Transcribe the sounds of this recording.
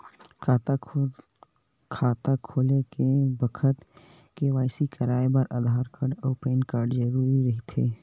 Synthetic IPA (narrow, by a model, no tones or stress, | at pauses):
kʰaːt̪akʰoːlekebəkʰət̪ | keʋaːɪsikəɾaːjebəɾʔa̰ːd̪ʱaːɾkəɾɖɔːpeːnkaːɾɖd͡ʒəɾuːɾiɾɐɦit̪ʰeː